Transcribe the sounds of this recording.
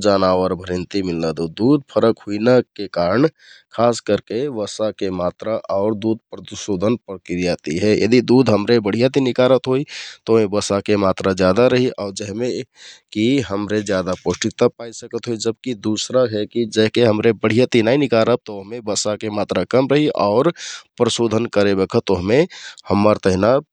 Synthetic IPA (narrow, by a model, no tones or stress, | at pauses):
d͡ʒaːnaːwəɾbʱɾɪnt̪imɪlnad̪ud̪uːd̪̚ʱpʰəɾəkɦuinakekaːɾəɳ | kʰaːskəɾkeʋəsakemaːt̪ɾaʔɔːɾd̪uːd̪̚ʱpɾət̪iʃoːd̪ʱənpɾəkɾijat̪iɦɛjə̰d̪id̪uːd̪ʱɦəmɾebəɽ̤ijat̪inɪkaːɾət̪ɦoit̪omẽbəsakemaːt̪ɾad͡ʒjaːd̪aɾəɦiʔɔːɾd͡ʒɛɦmẽkiɦəmɾed͡ʒjaːd̪aposʈɪt̪apaːisəkət̪ɦoid͡ʒəb̚kid̪usɾaɦɛkid͡ʒɛɦkeɦəmɾebəɽ̤ijat̪inainɪkaːɾəp̚t̪ooɦmẽbəsakemaːt̪ɾakəmɾəɦiʔɔːɾpɾəsoːd̪ʱənkəɾebekʰət̪oɦmẽhəmːəɾt̪əɦina